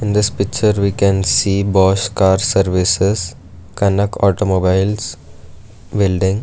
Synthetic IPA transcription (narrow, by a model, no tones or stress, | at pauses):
ɪ̃nd̪ɪspɪk̚t͡ʃəɾʋiːkɛ̃nsiːbɔːʃkaːɾsəɾʋɪses | kɐnəkʰɔːʈomoːbaɪls | bɪlɖɪ̃ŋɡ